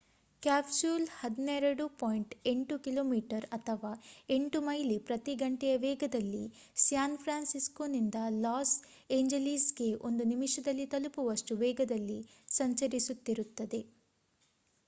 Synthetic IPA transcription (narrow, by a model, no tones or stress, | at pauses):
kaːbsuːlhɐd̪inɛɾɐɽupaːjɳʈe̞ɳʈukiloːmiːʈɐɾɐt̪ʰɐʋaːe̞ɳʈumɐjlipɾɐt̪iɡɐɳʈɛjɐʋɛːɡɐd̪ɐlːi | sjaːnpʰɾaːnsiskonind̪ɐlaːs | eːɲd͡ʒelisɡe̞ʔo̞nd̪unimiʂɐd̪ɐlːit̪ɐlupuʋɐʂʈuʋɛːɡɐd̪ɐlːi | sɐɲt͡ʃɐɾisut̪ːiɾut̪ːɐd̪e̞